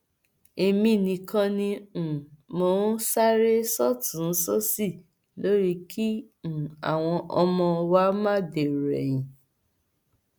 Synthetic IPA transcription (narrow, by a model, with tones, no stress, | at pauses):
e˧mĩ˧˨nĩ˧kã˧nĩ˧˨ | mo˨˦sa˦ɾe˦sɔ˦tũ˨n̩˦sɔ˦si˦˨ | lo˦ɾi˦kʰĩ˦˨ | a̰˨w̃ɔ̃˧ʔɔ˧mɔ̃˧wa˦mã˦˨de˨ɾɛ˨jĩ˨